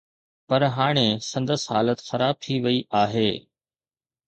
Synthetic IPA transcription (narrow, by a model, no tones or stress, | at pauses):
pɐɾɦaːɽ̃esɐ̃nd̪əsɦaːlət̪xɐɾaːb̚t̪ʰiʋɐiʔaːɦeː